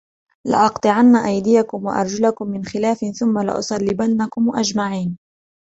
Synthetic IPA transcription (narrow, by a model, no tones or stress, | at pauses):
lɪ̰ʔɑqt̪ˤɨʕanːaʔajd̪ɪjakʊmwa̰ʔɑ̰ɾˤd͡ʒalakʊmːɪnxɪlaːfɪnθʊmːalɪ̰ʔʊ̰sˤɑlːɪbanːakʊmʔad͡ʒmaʕiːn